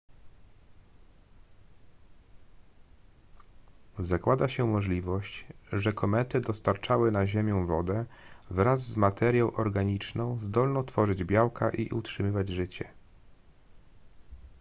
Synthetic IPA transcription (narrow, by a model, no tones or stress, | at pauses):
zakwad̪aɕɛmɔʐlʲivɔɕt͡ɕʐɛkʰɔmɛt̪ɘd̪ɔst̪aɾt͡ʂawɘnaʑemʲjɔ̃w̃vɔd̪ɛvɾazːmat̪ʰɛɾjɔ̃w̃ʔɔɾɡaɲit͡ʂnɔ̃w̃zd̪ɔlnɔ̃w̃t̪fɔʐɘd͡ʑbʲjawkʰaʔḭʔṵtʂɘmɘvad͡ʑʐɘt͡ɕɛ